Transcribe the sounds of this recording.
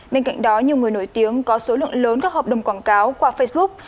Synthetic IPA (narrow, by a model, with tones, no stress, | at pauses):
ɓe˧nka̰˧˨jŋ̟ɗɔ˨˦ɲi˨˩əŋɨ˨˩əjno˧˩jt̪i˨˦əŋkɔ˨˦so˨˦lɨ̰˧˨ə˨ŋləː˨˦nkaː˦˥k̚həː˨˩p̚ɗə˨˩wŋ͡mkwaː˧˩nkaː˨˦wkwaː˧fə˧jsɓʊ˦˥k̚